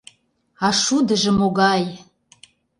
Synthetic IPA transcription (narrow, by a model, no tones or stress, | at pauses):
ɑʃud̪ə̆ʒə̆moɣɑj